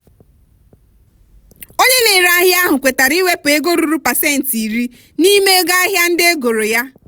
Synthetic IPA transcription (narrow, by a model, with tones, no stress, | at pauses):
o˦ɲe˦ne˨ɾa˦ɦja˦ɦʊ˨kʷe˨ta˨ɾi˦we˦pʊ˨e˦ɡo˦ɾu˨ɾu˦pa˨se˦˨n̩˨ti˨ɾi˦ | ni˦me˦ɡa˦ɦja˦n̩˦dɪ˦e˦ɡo˨ɾo˨ja˦